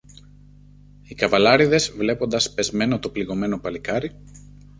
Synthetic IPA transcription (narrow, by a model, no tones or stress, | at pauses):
ikɐvɐlɐɾiðe̞zvle̞po̞nd̪ɐspe̞zme̞no̞t̪o̞pliɣo̞me̞no̞pɐlikɐɾi